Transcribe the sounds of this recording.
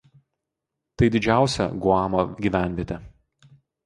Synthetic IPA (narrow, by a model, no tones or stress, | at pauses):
t̪ɐɪd̪ʲɪd͡ʒʲæˑʊsʲɛ̰ɡʊɑːmoːɡʲiːˑʋʲæˑnʲʋʲiɛt̪ʲɛ